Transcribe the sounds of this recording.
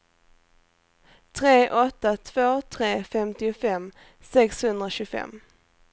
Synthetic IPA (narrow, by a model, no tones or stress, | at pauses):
t̪ʰɾeːʔɔt̪ːat̪ʰv̥oːt̪ʰɾeːfɛmt̪ɪʊfɛm | sɛkshɵnd̪ɾaɕɵfɛ̰mː